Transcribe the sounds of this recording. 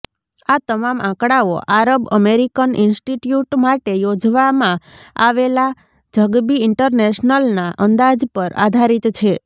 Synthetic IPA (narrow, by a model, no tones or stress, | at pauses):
at̪əmamʔãkɽaoʔaɾəbə̰meɾikəninsʈiʈjuʈmaʈejod͡ʒʋamãa̰ʋela | d͡ʒʱəɡbiɪɳʈəɾneʃnəlnaʔənd̪ad͡ʒpəɾa̰d̪ʱaɾit̪t͡ʃʰe